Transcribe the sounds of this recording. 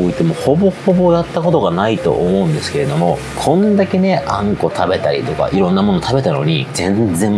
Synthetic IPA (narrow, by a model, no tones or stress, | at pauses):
oːit̪ːemoho̞bo̞hobo̞jat̪ːako̞t̪o̞ɡanait̪o̞̰ʔomo̞ɯ̟̃nd̪e̞sɨ̥ke̞ɾe̞d̪o̞mo̞ | kʰõ̞nd̪ake̞ne̞ʔãŋko̞t̪ʰabe̞t̪aɾʲḭt̪o̞ka̰ʔiɾõ̞nːamo̞not̪abe̞t̪ano̞ɲ̟izẽ̞nzẽ̞